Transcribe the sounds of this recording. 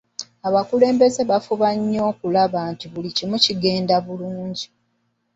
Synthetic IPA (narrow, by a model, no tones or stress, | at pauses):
aβakule̞ːmbe̞ze̞βafuβaɲːo̞ːkulaβantiβulicimuciɡe̞ːndaβuluːɲɟi